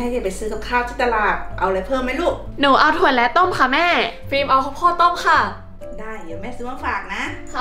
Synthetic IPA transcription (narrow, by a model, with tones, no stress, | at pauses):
ɛ˥˩ki˧˩pa˨˩jsɯː˨˦˥k̪a˧˩kʰaː˥˩wt̪ʰi˧˥˩t̪ːa˧laː˧˩ʔa˧wla˧˩pʰɤː˥˩˨mːa˥˩luː˥˩k̚nuː˩˦ʔa˧wt̪ʰu˧˩ənlɛ˦˥t̪o˥˩mkʰa˧˥˩mɛː˥˩fiː˧mʔa˧wkʰa˧˥wkʰɔː˥˩t̪o˥˩mkʰa˧˥˩ | daː˥˩jdi˨˦wmɛː˥˩sɯː˧˦ma˧˥˩faː˨˩k̚na˦˥